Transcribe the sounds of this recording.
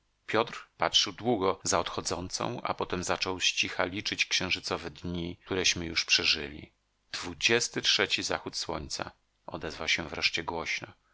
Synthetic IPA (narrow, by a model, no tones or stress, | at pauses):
pʲjɔt̪ɾpatʂɘwd̪wuɡɔzaɔt̪xɔd̪zɔnt̪sɔ̰̃w̃a̰pɔt̪ɛmzat͡ʂɔwɕt͡ɕixalʲit͡ʂɘt͡ɕkɕɛ̃w̃ʐɘt̪sɔvɛd̪ɲit̪uɾɛɕmɘjuʂpʂɛʐɘ̰lʲḭ | d̪̥vud͡ʑɛst̪ɘtʂɛt͡ɕiza̰xut̪swɔ̰ɲt̪sa̰ | ɔ̰d̪ɛzvawɕɛvɾɛʂt͡ɕɛɡwɔɕnɔ